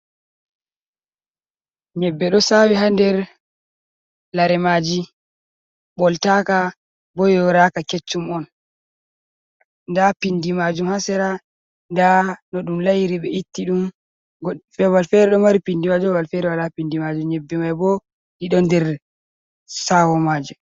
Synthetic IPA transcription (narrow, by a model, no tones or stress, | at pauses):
ɲɛbːɛɗɔsawiɦandɛɾ | laɾɛmad͡ʒi | bɔltaka | bɔjɔɾakaket͡ʃːumɔn | ndapindimad͡ʒumhasɛɾa | ndanɔɗumlajiɾiɓɛitːiɗum | ɡɔfɛwalfɛɾɛɗɔmaɾipindimad͡ʒɔwalfɛɾɛwalapindimad͡ʒumɲɛbːɛmajbɔ | diɗɔndɛɾ | sawɔmaːd͡ʒu